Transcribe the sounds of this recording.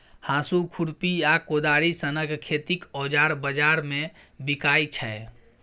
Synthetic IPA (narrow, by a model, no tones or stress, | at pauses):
hãsukʰuɽpiakod̪aɽisənəɡkʰet̪ikɔd͡ʒaɾbəd͡ʒaɾme | bikajt͡ʃʰɛ